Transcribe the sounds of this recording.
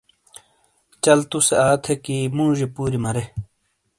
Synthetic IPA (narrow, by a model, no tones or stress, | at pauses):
t͡ɕɐlt̪useaːt̪ʰekimũːʑepuːɾimɐɾe